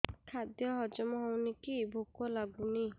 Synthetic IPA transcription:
kʰad̪jɔɦɔd͡ʒɔmɔɦɔwnikibʱokɔlaɡuni

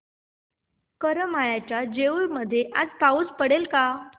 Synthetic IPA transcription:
kəɾəmajat͡ɕjad͡ʑeuɾməd̪ʱːjeʔa̰d͡zpauːt͡spəɽelka

